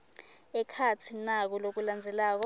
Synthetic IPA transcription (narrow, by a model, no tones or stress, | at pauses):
ɛkʰat͡sʰinak̬ulok̬uland͡zʱɛlaːk̬ɔ